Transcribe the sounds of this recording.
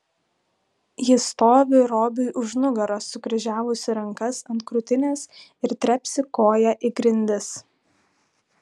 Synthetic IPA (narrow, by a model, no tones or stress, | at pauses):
jɪst̪oːʋʲɪɾoːbʲʊɪʔʊʒnʊɡɐɾoːsʊɡɾʲɪʒʲæːʋʊsʲɪɾɐŋkɐsɐnt̪kɾʊt̪ʲɪnʲeːsɪɾt̪ʲɾʲɛpʲsʲɪkoːjɛʔɪɡɾʲɪnʲd̪ʲɪs